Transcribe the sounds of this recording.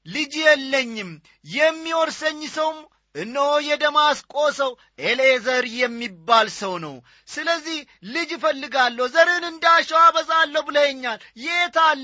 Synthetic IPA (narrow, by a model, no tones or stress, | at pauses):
lɨd͡ʒjɛlːəɲːɪm | jɛmːiwɔɾsəɲːsəwm | ʔɨnːəojɛd̪əmaskʼosəw | ʔelezəɾjɛmːibːalsəwnə̰w | sɨləzːih | lɨd͡ʒfəlːɨɡalːəhzəɾɨnɨnd̪aʃɛwabəsʼalːəbɨləhɛɲːaljɛet̪ʰal